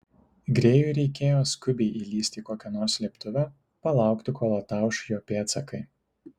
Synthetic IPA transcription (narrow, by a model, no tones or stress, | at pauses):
ɡɾʲeːjuːɾʲɛɪkʲeːjoːskʊbʲɛɪʔiːlʲiːsʲt̪ʲiːkoːkʲɛnoːɾslʲieːpt̪ʊʋʲæ | pɐlˠɑˑʊkt̪ʲɪkoːlˠɐt̪ɑˑʊʃjoːpʲeːt̪sɐkɐɪ